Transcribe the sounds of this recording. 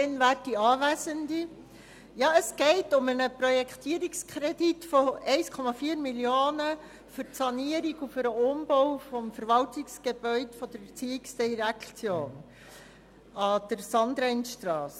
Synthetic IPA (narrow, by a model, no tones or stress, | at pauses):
dɛnvæːrtdiɑːvæzəndi | jɑːəsɡ̥ɛɪtʊmənəpɾɔjɛkʰt̪iːəɾikskʰɾed̥itfɔɛɪskʰɔmɑfiːəɾmiljoːnə | fʏɾtsɑniəɾiɡufʏɾəʊmb̥ɔwfɔmfəɾvɑltɪksɡ̥eb̥œʏdfɔd̥̪əɾɛt͡siːɪksdiɾækt͡sjoːn | ɑd̪̥əɾsɑnd̪ɾɛɪnʃtrɑːs